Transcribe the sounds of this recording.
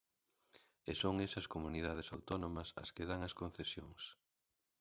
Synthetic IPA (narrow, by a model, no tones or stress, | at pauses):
esoŋesɐskomuniðað̞ɪsawt̪ɔnõmɐsɐ̰skeðaŋɐskon̟θesjoŋs